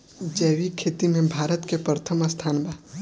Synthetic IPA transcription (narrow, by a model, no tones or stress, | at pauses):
d͡ʒɛːʋikʰeːt̪imẽbʱaːɾət̪kepɾət̪ʰəmast̪ʰaːnbaː